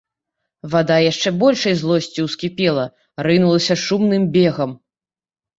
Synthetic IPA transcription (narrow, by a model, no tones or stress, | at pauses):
vad̪ajaʂt͡ʂɛbɔlʲʂɐjzlˠɔsʲt͡sʲiwskʲipʲɛlˠɐ | ɾɨnulˠɐsʲɐʂumnɨmbʲɛɣɐm